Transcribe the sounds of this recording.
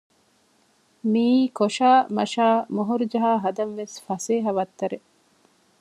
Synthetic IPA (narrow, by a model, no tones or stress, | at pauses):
miːkoʃaːmɐ̰ʃaːmoɦuɾud͡ʒɐɦaːɦɐd̪ɐnʋesfɐseːɦɐʋɐt̪ːɐɾe